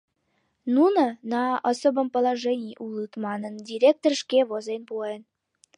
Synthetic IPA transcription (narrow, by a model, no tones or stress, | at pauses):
nunə̆nɑosobə̆mpə̆lˠɑʐenʲijʔulˠɯt̪mɑnə̆ndʲiɾʲek̚t̪orʂkʲeβozenpuen